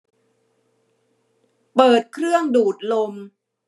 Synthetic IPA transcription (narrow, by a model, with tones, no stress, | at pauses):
pɤː˨˩t̪̚kʰɾɯ˥˩əŋduː˨˩t̪̚lo˧m